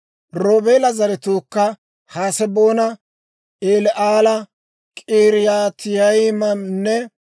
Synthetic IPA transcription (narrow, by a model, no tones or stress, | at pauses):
ɾoːbeːlɐzɐɾɛt̪oːkːɐ | haːsɛboːnɐ | eːlɛʔaːlɐ | kʼiːɾɪjaːt̪ɪjɐjɪmɐnnːɛ